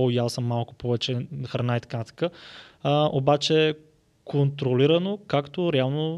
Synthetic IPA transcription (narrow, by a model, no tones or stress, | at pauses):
iasəmːalˠkʊ̥pʰɔvɛt͡ʃɛxɾɐnait̪ə̥kaət̪ə̥ka | ʔobat͡ʃɛ | kʰont̪ɾoliɾɐnokakt̪oɾɛalˠno